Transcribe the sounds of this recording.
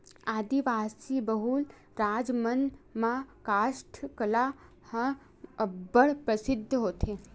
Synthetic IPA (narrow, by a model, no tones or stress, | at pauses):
aːd̪iʋaːsibəɦul | ɾaːd͡ʒmənmãkaːʃʈʰkəla | hə̃ | əbːəɽpɾəsɪd̪ʱːɦoːt̪ʰeː